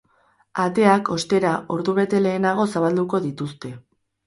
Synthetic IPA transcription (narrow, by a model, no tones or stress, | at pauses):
at̪e̞ako̞st̪e̞ɾaʔo̞ɾðuβ̞e̞t̪e̞le̞ːnaɣ̞o̞saβald̪uko̞ðit̪ust̪e̞